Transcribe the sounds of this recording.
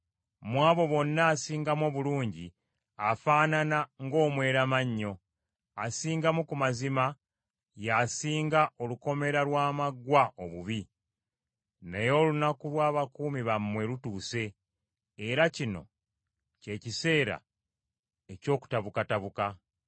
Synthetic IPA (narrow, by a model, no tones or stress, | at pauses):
mwaːβo̞βo̞nːaːsiːŋɡamo̞βuluːɲɟi | afaːnanaŋɡo̞ːmwe̞ːɾamaɲːo̞ | asiːŋɡamukumazima | jasiːŋɡao̞luko̞me̞ɾalwaːmaɡwaoβuβi | nejo̞ːlunakulwaːβakuːmiβamːwe̞lutuːse̞ː | ɾacino̞̰ | ce̞ːcise̞ːɾa̰ | e̞co̞ːku̥taβukataβuka